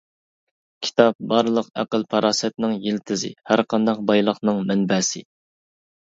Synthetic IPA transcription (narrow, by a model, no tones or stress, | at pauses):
kʲʰi̥t̪ʰɑp̚bɑɾlˠəqæ̰qəlˠpʰɑɾɑːsɛt̪nɪŋjilt̪ʰɪzɪ̰hæɾqʰɑnd̪ɑq̚bɑjlˠəχnɨŋmɛnbɛsɪ